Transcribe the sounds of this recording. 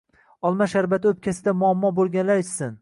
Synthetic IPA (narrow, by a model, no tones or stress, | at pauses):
ɒlˠmaʃaɾbat̪ʰɪɵp̚kʲʰasɪd̪amʊamːɒbolˠɡʲanlaɾt͡ʃsɪn